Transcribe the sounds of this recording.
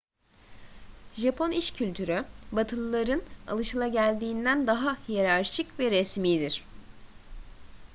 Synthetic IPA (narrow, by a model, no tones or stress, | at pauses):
ʒapʰo̞niʃcʰylʲt̪ʰyɾybat̪ʰɯlˠɯlˠaɾɯna̰lˠɯʃɯlˠaɟælʲd̪iːnd̪ænd̪aɦahijeɾaɾt͡ʃʰɯcvɛɾɛsmiːd̪iɾ̥